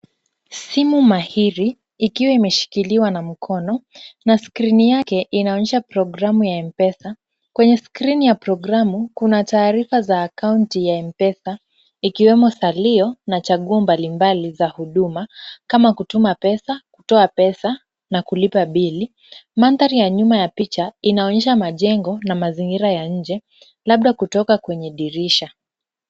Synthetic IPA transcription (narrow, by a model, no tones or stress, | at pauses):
simumahiɾiː | kiwaimɛʃi̥kiliwanam̩kʰɔnɔnaskɾinijakɛʔinaɔɲɛʃapɾɔɡɾamujaɛmpɛsa | kwɛɲɛskɾinijapɾɔɡɾamukunataːɾifazaːkauntijaɛmpɛsa | ikiwɛmɔsaliɔnat͡ʃaɠuɔmbalimbalizahuɗumakamakutumapɛsakutɔapɛsa | nakulipaɓili | mant̪aɾijaɲumajapit͡ʃainaɔɲɛʃamaʄɛŋɡɔnamaziŋɡiɾajaɲ̩d͡ʒɛ | laɓ̚ɗakutɔkakwɛɲɛɗiɾiʃa